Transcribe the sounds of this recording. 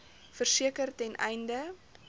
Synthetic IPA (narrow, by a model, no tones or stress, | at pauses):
fərsiəkərtɛnʔɛ̰jndə